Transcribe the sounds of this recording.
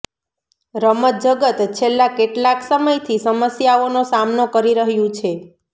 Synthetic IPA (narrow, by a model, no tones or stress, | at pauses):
ɾəmət̪̚d͡ʒəɡət̪t͡ʃʰelːakeʈlaksəməjt̪ʰisəməsjaonosamnokəɾiɾəɦjũt͡ʃʰe